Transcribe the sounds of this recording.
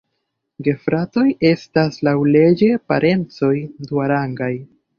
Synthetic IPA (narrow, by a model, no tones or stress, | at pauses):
ɡe̞fɾato̞je̞staslawle̞d͡ʒe̞pa̰ɾʔe̞nt͡so̞jduaɾaŋɡaj